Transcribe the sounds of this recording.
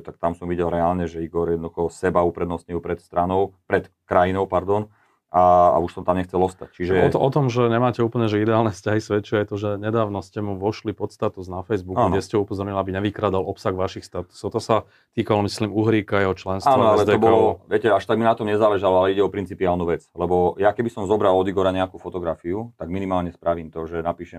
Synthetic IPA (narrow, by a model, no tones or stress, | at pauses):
t̪ak̚t̪amsɔmʋiɟɛlɾɛaːlɲɛʒɛiɡɔɾjɛd̪nɔd̪uxɔsɛbaupɾɛd̪nɔsɲilpɾɛt̪st̪ɾanɔʊpɾɛt̪ | kɾajinɔʊpaɾd̪ɔn | aa̰uʃsɔmt̪amɲɛxt͡sɛlɔst̪act͡ʃiʒɛɔʔɔt̪ɔmʒɛɲɛmaːcɛuːpl̩ɲɛʒɛid̪ɛaːlnɛfscaɦisʋɛt͡ʃiajɛt̪ɔʒɛɲɛd̪aːʋnɔscɛmuʋɔʃlipɔt̪st̪at̪uznafɛjzbukauɡnɛscɛupɔzɔɾɲilabiɲɛʋikɾaːd̪alʔɔpsaɣʋaʃixst̪at̪u̥sɔt̪ɔsa | t̪iːkalɔmisliːmuɦɾiːkajɛɦɔt͡ʃlɛnstaːnʋaɔalzɛt̪ɛɔbɔlɔʋɪɛcɛaʃt̪aɡminat̪ɔmɲɛzaːlɛʒalɔalɛiɟɛɔpɾint͡sipiaːlnuʋɛt͡slɛbɔjakɛbisɔmzɔbɾalɔd̪iɡɔɾaɲɛakufɔt̪ɔɡɾafiut̪aɡminimaːlɲɛspɾaʋiːmt̪ɔʒɛnapiːʃɛm